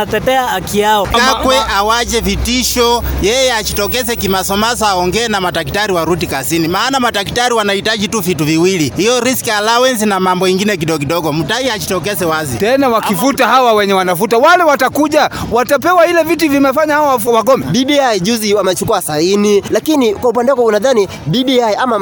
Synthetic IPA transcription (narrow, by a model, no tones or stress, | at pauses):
atɛtɛaakiaɔkakwɛʔawad͡ʒɛvitiʃɔjɛjɛat͡ʃi̥tɔk̬ɛsɛkimasɔmasɔaɔŋɡɛːnamatak̬i̥taɾiwaɾutikasinimaːnamataki̥taɾiwanahitaʄituvituviwilihijɔɾiskialawɛnsinamambɔiŋɡinɛk̬iɗɔk̬iɗɔɡɔm̩taiat͡ʃi̥tɔk̬ɛsɛwazitɛnawakifutahawawɛɲɛwanafutawalɛwatakuʄawatap̬ɛwahilɛvit̬ivimɛfaɲahawwawaɡɔmɛbiɗiaiʄuziwamɛt͡ʃukuasainilakinikwaupandɛwakɔunaðani | biɗiaiama